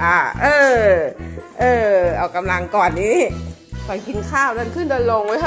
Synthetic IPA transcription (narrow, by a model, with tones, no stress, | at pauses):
ʔaː˧˩ʔɤː˧˩ | ʔɤː˧˩ʔa˧˩wka˧mla˧ŋkɔː˨˩nːi˧˦ | k̪ɔː˨˧˩nkʰi˨˦nkʰaː˧˥˩wnaː˧˩nkʰɯ˧˥˩nɗəː˧˩nlo˧˩ŋwəː˨˧˦ɦ